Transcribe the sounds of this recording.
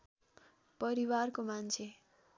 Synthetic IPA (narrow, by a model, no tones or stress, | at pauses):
pʌɾiwarkomant͡sʰe